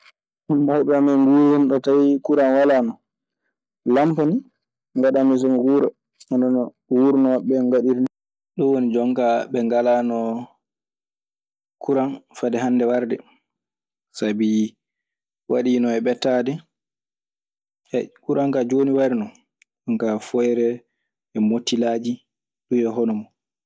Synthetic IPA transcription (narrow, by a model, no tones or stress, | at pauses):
mawɓɛamɛŋɡuinɗɔtawikuɾanwalanɔ | lampani | ŋɡaɗamis̬ɔmwuɾa̰ | ɔnɔnɔ | wuɾnɔɓɛŋɡaɗiɾn | ɗɔwonid͡ʒɔŋkaɓɛŋɡalanɔ | kʰuɾanfadɛɦandɛwaɾdɛ | sabi | waɗinɔɛɓɛtadɛ | ɛkuɾaŋkad͡ʒoniwaɾinɔ | ɔŋkafɔjɾɛ | ɛmotːilad͡ʒi | ɗuɛɦɔnɔmɔ